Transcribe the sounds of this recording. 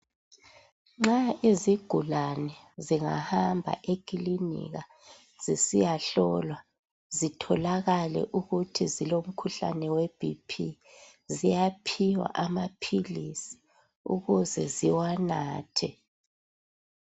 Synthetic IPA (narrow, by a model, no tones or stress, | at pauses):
ŋ͡ǁaiziɡ̥ʱulanɛ | ziŋa̰hambʱa̰ʔekʼilinḭɣa | z̥isijaɬɔlwa | zitʰɔlaɣalɛ̰ʔuɣutʰizilom̩kʰuɬa̰nɛwɛb̥ʱipʰi | zijapʰiwa̰ʔamapʰilisi̥ | ṵɣuzɛ̰ziwanaːtʰɛ